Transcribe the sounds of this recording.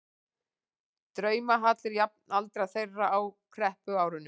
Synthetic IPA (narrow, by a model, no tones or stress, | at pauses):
t̪ɾœːɥmaɦat̪lɪɾjap̚nalt̪ɾaθejrːaawkʰɾɛhpʏaːwɾʏnːʏ